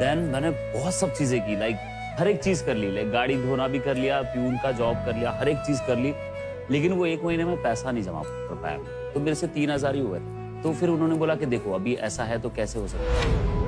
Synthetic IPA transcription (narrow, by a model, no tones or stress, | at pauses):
d̪ɛnmɛːnebɔːt̪sɐb̚t͡ʃiːzẽkilaɪk̚ | ɦɐɾeːk̚t͡ʃiːzkɐɾlilaɪk̚ɡaːɽid̪ʱoːnabʱikɐɾlijaːpjũːnkad͡ʒɔːb̚kɐɾlijaɦɐɾeːk̚t͡ʃiːzkɐɾliː | leːk̬ɪnʋoeːkmɐɦinemẽpɛːsanɐ̃ɦĩd͡ʒɐ̰ma̰ | kɐɾpa̰ːja̰mɛ̃ːt̪omeːɾeset̪iːnɦɐzaːɾɦiɦoːɡḛːt̪ʰe | t̪ofʰɪɾʊnɦõːneboːlaked̪eːkʰoɐbʱiʔɛ̰ːsaɦɛt̪okɛːseɦosɐk̚t̪a